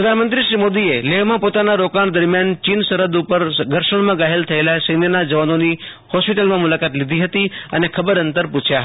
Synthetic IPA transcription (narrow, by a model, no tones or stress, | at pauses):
pɾəd̪ʱanmənt̪ɾiʃɾimod̪ieleʋmãpot̪anaɾokaɳd̪əɾmjant͡ʃinsəɾəd̪upəɾɡʱəɾʃəɳ̃mãɡaɦelt̪ʰəelasəjnjənad͡ʒəʋanoni | hɔspiʈəlmãmulakat̪lid̪ʱiɦət̪iənekʰəbəɾənt̪əɾpũt͡ʃʰja